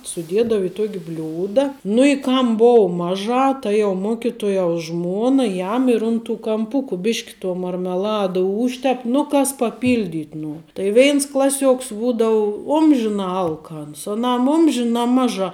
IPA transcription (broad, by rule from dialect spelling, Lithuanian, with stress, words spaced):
sʊˈdʲiɛdɐw ɪ ˈtuɔkʲ ˈbʲlʲuːdɐ nʊ ɪ ˈkɐm ˈboːʊ ˈmɑːˌʒɑː ˈtɐ jɛʊ ˈmoːkʲɪtuɔjɛʊs ˈʒmuɔnɐ ˈjɛm ɪr ʊn tuː kɐmˈpʊkʊ ˈbʲɪʃʲkʲ tuɔ mɐrʲmʲɛˈlˠɑːdɐ ˈuːʃʲtʲɛp nʊ ˈkɐs pɐˈpʲiːlʲdʲɪtʲ ˈnuɔr tɐɪ ˈʋʲɛɪns ˈklˠɑːˌsʲuɔks ˈbuːdɐʊ ˈʊmʲʒʲɪnɑː ˈɐlˠkɐns ɐˈnɐm ˈʊmʲʒʲɪnɑː ˈmɑːˌʒɑː